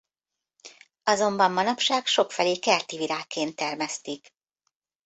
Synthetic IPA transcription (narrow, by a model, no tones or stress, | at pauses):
ɒzo̞mbɒmːɒnɒpʃaːkʃo̞kfɛleːkɛrt̪iviɾaːkːeːnt̪ːɛrmɛst̪ik